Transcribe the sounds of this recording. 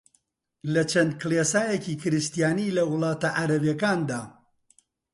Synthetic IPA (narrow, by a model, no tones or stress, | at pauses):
lɐt͡ʃʰɐnd̪̚kɨlesaːjeciːkʰɨɾɨst̪ijaːnilɐwʊlˠɑːt̪ɐʔaɾɐvjekaːnd̪aː